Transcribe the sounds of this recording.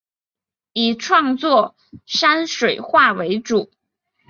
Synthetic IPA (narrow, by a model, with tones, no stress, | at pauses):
i˨˩ʈ͡ʂʰwɑ˥˧ŋt͡swɔ˥˩ | ʂa˥nʂwe˨˩ɪxwa˥˩we˧˥ɪʈ͡ʂu˨˩˦